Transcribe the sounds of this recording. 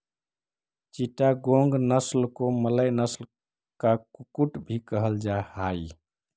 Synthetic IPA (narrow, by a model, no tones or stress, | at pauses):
t͡ʃiʈaɡoŋɡnəslkomələjnəsl | kakukuʈbʱikəɦəld͡ʒahai